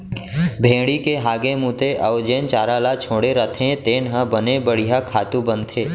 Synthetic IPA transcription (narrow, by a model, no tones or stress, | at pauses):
bʱẽːɽikeɦaːɡẽmũːt̪eʔəʋd͡ʒeːnt͡ʃaːɾalat͡ʃʰõːɽeɾət̪ʰẽt̪eːnɦãbənebəɽ̤ijakʰaːt̪ũbənt̪ʰeː